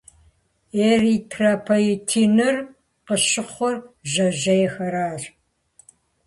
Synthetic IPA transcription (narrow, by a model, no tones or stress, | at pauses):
eːritʰraːpʰojɪtʰiːnɐr | qəʃɪχʷɔrʒɐʒɐjɛxɐɾaːr